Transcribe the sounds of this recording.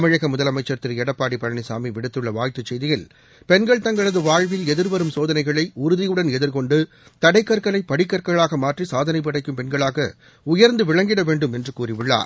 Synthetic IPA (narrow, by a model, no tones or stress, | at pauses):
mɐɻɐɣɐmʊðɐlɐmɐɪt͡ʃːɐɾt̪ːɪɾɛɽɐpːaːɽipɐɻɐɳɪsa̰ːmiʋɪɽɯt̪ːɯɭːɐʋaːjt̪ːɯt͡ʃːɛjðɪjɐl | pɛnɡɐɭt̪ɐŋɡɐɭɐðɯʋaːɻʋɪlɛðɪɾʋɐɾɯmsoːðɐnɐɪɣɐɭɐɪʊɾʊðɪjɯɽɐnɛðɪɾkɔɳɖɯ | t̪ɐɽɐɪkːɐɾkɐɭɐɪpːɐɽɪkːɐɾkɐɭaːɣɐmaːʈrisaːðɐnɐɪp̬ːɐɽɐɪkːɯmpɛnɡɐɭaːɣɐ | ʊjɐɾnd̪ɯʋɪɭɐŋɡɪɽɐʋeːɳɖɯmɛndrɯkuːrɪʋɪɭːa̰ːɾ